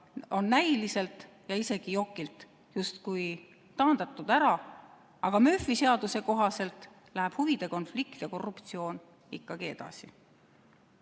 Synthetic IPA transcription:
o̞nːæjlise̞lt̪ˑ | jɑise̞ɡ̥ijo̞kːˑilt̪ | just̪kuj | t̪ɑːnd̪̥ɑt̪ːˑud̪̥æɾɑ | ɑɡ̥ɑmøfːise̞ɑd̪̥use̞ko̞ɦɑse̞lt̪ˑ | læɦæb̥huvid̪̥e̞ko̞nflikt̪jɑko̞rːupt̪sio̞ːn | ikːɑɡ̥ie̞d̪̥ɑ̰si

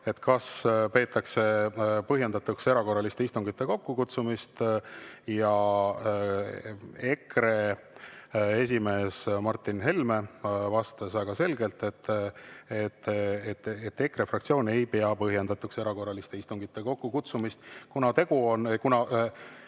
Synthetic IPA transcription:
e̞t̪kɑspe̞ːt̪ːˑɑkse̞pɤɦjend̪ɑt̪ːukse̞ɾɑko̞rːɑlist̪e̞ist̪uŋɡ̥it̪ːˑe̞ko̞kːukut̪sumist̪ | jɑ | ekɾe̞ | es̬ʲime̞ːsmɑrt̪ːˑinɦe̞lme̞vɑst̪esvæɡ̥ɑse̞lɡe̞lt̪e̞t̪ː | et̪ːet̪et̪ːe̞kre̞frɑkt̪sio̞ːne̞jpe̞ɑpɤɦje̞nd̪ɑt̪ːukse̞ɾɑko̞rɑlist̪e̞ist̪uŋɡ̥it̪ːˑe̞ko̞kːukut̪sumist̪kunɑt̪e̞ɡ̥uonkunɑ

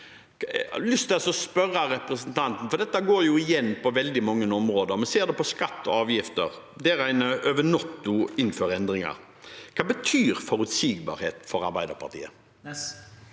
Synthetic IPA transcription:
lʏst̪ɛsɔspœrɑɾɛpɾəsənt̪ʰɑnt̪n̩fɔɾd̪ɛt̪ːəɡoːɾjʊɪjɛnːpʰɔʋɛld̪ɪmɔŋːənɔmɾoːd̪əɾɔmɛseːd̪ɛpɔskɑt̪ːɔ̰ɑːʋjɪft̪ə̰ɾ | d̪ɛɾæɪnəʔøʋənɔt̪ːʊɪnføːɾɛnd̪ɾɪŋɑ̰ɾ | kʰɑːbət̪ʰyːɾfɔɾʉt̪siːɡ̚bɑ̰ːɾheːt̪fɔɾɑ̰ɾbæɪd̪ə̰ɾpʰɑ̰ʁt̪ʰḭːə

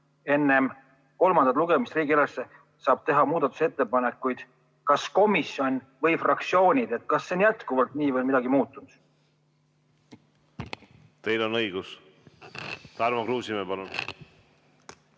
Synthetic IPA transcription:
e̞nːe̞m | ko̞lmɑnd̪̥ɑt̪luɡe̞mist̪riːɡielesːe | sɑːb̥̚t̪e̞ɦɑmuːd̪̥ɑt̪ːˑu̥se̞t̪ːe̞pɑnekːˑujd̪̥ | kɑsko̞misjo̞nʲ | vɤjfrʔɑk̚t̪sio̞ːnʲid̪̥e̞t̪̚ːˑkɑsːenjæt̪kuvɑlt̪niːvɤlmid̪ɑɡimuːt̪ˑːund̪̥ | t̪e̞jlo̞nɤjɡ̥us | t̪ɑɾmɑkɾuːsimepɑlun

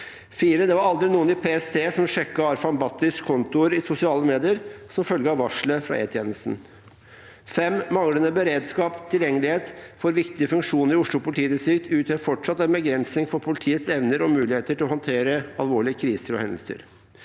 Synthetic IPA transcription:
fiːɾəd̪ɛʋɑɾɑld̪ɾɪnuːənɪpʰeːɛst̪ʰeːsɔmʂɛkːəɑɾfɑnbɑːt̪ːɪskʰɔnt̪ʊəɾɪsʊsɪɑːləmeːd̪ɪəɾsɔmfœlɡəɑʋɑʂɭəfɾɑ̰ʔḛːt̪ʰjeːnəlst̪n̩ | fɛmːɑŋɽənəbəɾeːd̪skɑːpt̪ʰɪljɛŋːəlɪheːt̪fɔɾʋɪkt̪ɪəfʉŋkʂuːnəɾɪʊʂɭʊpʊlɪt̪ʰiːnəsɪkt̪ʰʉːt̪ʰhøɾfɔʈʂɑt̪ːɛnbəɡɾɛnsnɪŋfɔɾpʰʊlɪt̪ʰiːət̪sɛʋnəɾɔmʉːlɪheːt̪əʈʰɪlɔhɔnt̪ʰeːɾəɑlʋoːɭɪəkʰɾiːsəɾɔ̰hɛnd̪əlsə̰ɾ

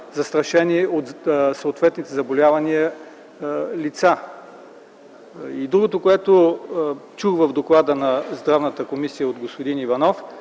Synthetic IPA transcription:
zɐst̪ɾɐʃɛniɛot̪səot̪vɛt̪nit̪ɛzɐbolʲavɐniə | lit̪sa | id̪ɾuɡot̪okoɛt̪o | t͡ʃuxvəvd̪oklˠad̪ənɐzd̪ɾavnət̪əkomisijəod̪ɡospod̪inivɐnɔf

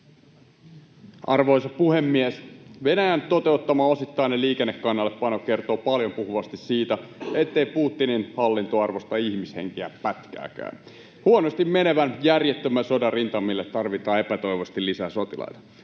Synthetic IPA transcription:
ʔɑrʋo̞isɑpuhemːiesʋe̞næjænt̪ot̪e̞ut̪ːɑmɑo̞sit̪ːɑineliːkenːekːɑnːɑlːeppɑnokke̞rt̪o̞ːpɑljompuhuʋɑst̪issiːt̪æet̪ːe̞ipuːt̪ːininhɑlːint̪oɑrʋost̪ɑihmishḛŋk̟iæ̰pæt̪kæ̰ːkæ̰ːn | huonost̪immene̞ʋænjærjet̪ːømæsodɑrint̪ɑmːilːet̪ːɑrʋit̪ɑːe̞pæt̪o̞iʋost̪illisæso̞t̪ilɑ̰jt̪ɑ̥

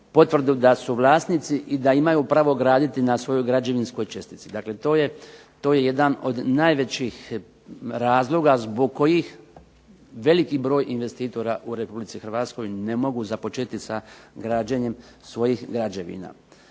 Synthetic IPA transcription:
po̞t̪ʋr̩d̪ud̪asuʋlˠaːsnit̪siʔid̪aimajupɾaʋo̞ɡɾaːd̪it̪inasʋo̞jo̞jɡɾad͡ʑe̞ʋinsko̞jt͡ʃe̞st̪i̥t̪sid̪aːkle̞t̪oːje | t̪o̞ːje̞je̞d̪ano̞d̪naːjʋe̞t͡ɕix | ɾaːzlˠo̞ɡazbo̞ɡ̚ko̞jix | ʋe̞likibɾo̞ːjʔinʋe̞st̪iːt̪o̞ɾaʔuɾe̞publit̪ixr̩ʋat̪sko̞jnemo̞ɡuzapo̞t͡ʃet̪isaɡɾaːd͡ʑeɲe̞m | sʋo̞jixɡɾad͡ʑe̞ʋḭna̰ː

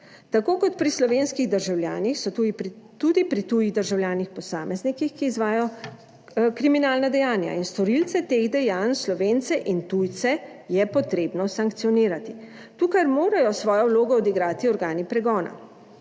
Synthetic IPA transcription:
t̪akoːkɔt̪pɾislɔʋeːnskiɣd̪əɾʒawlʲjaːnixsɔut̪ud̪ipɾit̪ujiɣd̪əɾʒawljaːnixpɔsaːmɛznikixkiːzʋaːjɔ | kɾiminaːlnad̪ɛjaːnja̰inst̪ɔɾilt̪sɛt̪eɣd̪ɛjanslɔʋeːnt̪sɛʔint̪ujt̪sɛ | jɛpɔt̪ɾeːbnɔsaŋkt̪sijɔniːɾat̪i | t̪uːkaɾmoːɾajɔsʋɔːjɔwloːɡɔːd̪iɡɾaːt̪iɔɾɡaːnipɾɛɡɔːna̰

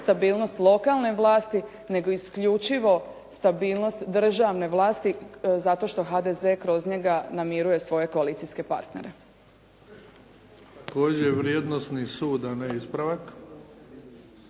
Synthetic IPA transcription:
st̪abiːlno̞st̪lˠo̞kalˠne̞ʋlˠaːst̪i | ne̞ɡo̞iskʎut͡ʃiʋo̞ | st̪abiːlˠno̞st̪d̪r̩ʒaʋne̞ʋlˠaːst̪izat̪o̞ʃt̪o̞ɦad̪eze̞kɾo̞zɲe̞ɡanamiɾuje̞sʋo̞je̞koaliːt̪siske̞pa̰ɾt̪ne̞̰ɾe̞ | t̪ako̞ːd͡ʑeʋɾjed̪nosnisuːd̪aneispɾaʋak

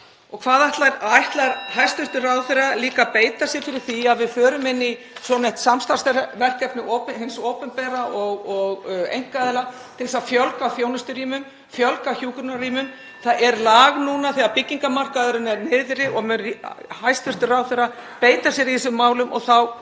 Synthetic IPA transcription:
ɔɣkʰvaːðaht̪laɾaajht̪laɾhajst̪ʏr̥t̪ʏraːwθɛraliːkapeːjt̪asjɛɾfɪɾɪɾ̥θiaðvɪðfœːɾʏmɪnːi | sɔnɛjht̪samst̪ast̪vɛr̥kɛpnɪʔowpɦɪnsoːwpɛmpɛːɾaʔɔɣɔɣḛjŋ̥kaðɪla | t̪ʰɪlsafjœlkawfjownʏst̪ʏɾiːmʏm | fjœlkaçuːkʏnariːmʏm | θaðɛɾlaːɣnuːnaθɛɣapɪcːiŋkamar̥kaðʏɾʏnɛɾnɪːðɾɪʔɔɣmʏhajst̪ʏr̥t̪ʏraːwθɛɾːa | peːjt̪asjɛɾiɪsʏmːaːwlʏmʔɔ̰ɣθaw

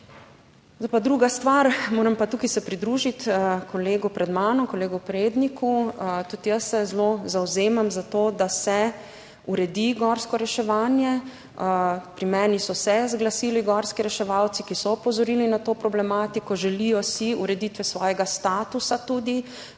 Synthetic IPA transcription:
zapad̪ɾuːɡast̪ʋaɾmoːɾɛmpat̪uːkajsɛpɾid̪ɾuːʒit̪kɔleːɡupɾɛd̪maːnɔŋkɔleːɡupɾeːd̪nikʰut̪ut̪ijəsːɛzlozawzeːmamzat̪oːd̪asɛ | uɾɛd̪iɡɔːɾskɔɾɛʃɛʋaːnjɛ | pɾimɛːnisɔsɛzɡlasiːliɡɔːɾskiɾɛʃɛʋawt̪sikisɔɔpɔzɔɾiːlinat̪oːpɾɔblɛmaːt̪ikɔʒɛlijɔsiuɾɛd̪it̪ʋɛsʋɔːjɛɡast̪aːt̪usat̪uːd̪i

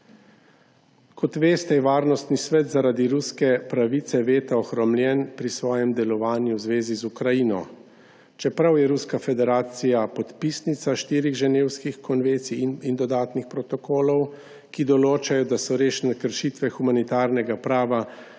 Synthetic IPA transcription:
kʰɔt̪ʋeːst̪ɛjɛʋaːɾnɔst̪nisʋɛt̪zaɾad̪iɾuskɛpɾaʋit̪sɛʋeːt̪aɔxɾɔmljɛnpɾisʋɔːjɛmd̪ɛlɔʋaːnjuwzʋeːzizukɾajinɔ̰ | t͡ʃɛpɾawjɛɾuskafɛd̪ɛɾaːt̪sijapɔt̪pisnit̪saʃt̪iːɾiɣʒɛneːwskixkɔnʋent̪sinind̪ɔd̪aːt̪nixpɾɔt̪ɔkoːlɔw | kid̪ɔloːt͡ʃajɔd̪asɔɾeːʃnɛkəɾʃit̪ʋɛxumanit̪aːɾnɛɡapɾaːʋa

